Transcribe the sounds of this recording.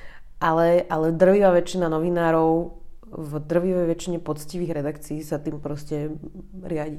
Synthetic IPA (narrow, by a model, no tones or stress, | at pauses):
ʔalɛʔalɛd̪r̩ʋiʋaːʋɛt͡ʃːinanɔʋinaːɾɔʊ | vd̪r̩ʋiʋɛjʋɛt͡ʃiɲɛpɔt͡sciʋiːɣɾɛd̪akt͡siːsat̪iːmpɾɔscɛ | ɾɪaɟi